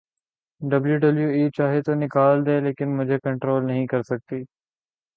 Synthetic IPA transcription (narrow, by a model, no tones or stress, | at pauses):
ɖɐbljuɖəbljuːiːt͡ʃaːɦet̪onɪkaːld̪eːleːkɪnmʊd͡ʒʱekə̃ɳʈɾoːlnɐɦĩkɐɾsɐk̚t̪iː